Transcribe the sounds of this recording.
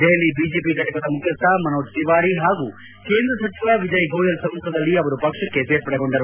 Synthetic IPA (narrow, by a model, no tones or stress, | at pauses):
ɖ̪ejɐlibiːd͡ʒeːpikɐʈɐkɐd̪ɐmukʰjɐst̪ʰamɐnoːʈ̚siʋaːɾiɦaːɡuː | ke̞ːnd̪ɾɐsɐt͡ʃiʋaʋid͡ʒɐjɡoːjɐlsɐ̃mk̪ʰɐd̪ɐlːiɐʋɐɾupɐkʂɐkːeseːɾpɐɽɐɡo̞ɳɖɐɾ